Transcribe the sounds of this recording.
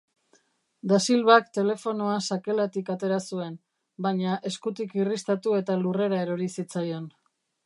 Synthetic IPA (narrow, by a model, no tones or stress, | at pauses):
d̪asilβakt̪e̞le̞fo̞noasake̞lat̪ikat̪e̞ɾasue̞n | bajɲaʔe̞skut̪ikirist̪at̪ue̞t̪alure̞ɾae̞ɾo̞ɾisit͡sajo̞n